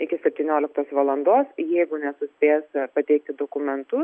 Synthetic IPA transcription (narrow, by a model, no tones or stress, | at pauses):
ɪkʲɪsʲɛpʲt̪ʲiːnʲoːlʲɪk̚t̪oːsʋɐlˠɐnd̪oːsjɛɪɡʊnʲɛsʊsʲpʲeːspɐt̪ʲɛɪk̚t̪ʲɪd̪oːkʊmʲɛnt̪ʊ